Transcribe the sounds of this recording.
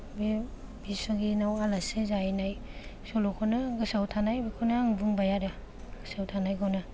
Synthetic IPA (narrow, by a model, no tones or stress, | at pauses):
be | bisoɡinawalasezajnajsolokʰɔnaɡɯsawtʰanajbekʰonaŋbuŋbajaɾa | ɡ̥ɯsawtʰanajɡawna